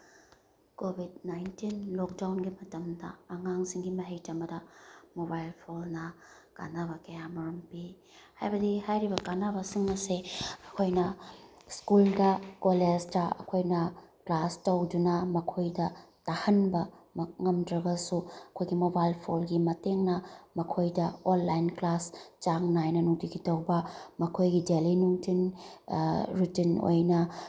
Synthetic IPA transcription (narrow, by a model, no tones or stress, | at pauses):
kobʱidnajntinlok̚dawnɡimɐtɐmdɐ̰ːŋaŋsiŋɡimɐɦejtɐmɐdɐmobajlpʰolnɐ | ka̰nabɐkɐjamɐɾɐmpi | hajbɐdihajɾibɐkanabɐsiŋmɐseɐkʰojnɐ | skuldɐkoled͡ʒtɐɐ̰kʰojnɐklastɐwdunɐmɐkʰojdɐtahɐnbɐmŋɐmdɾɐɡɐsuɐkʰojɡimobalpʰolɡimɐteŋnɐmɐkʰojdɐonlajnklast͡ʃaŋnajnɐnuŋtiɡitɐwbɐmɐkʰojɡidelinuŋtʰin | ɾutino̰jnɐ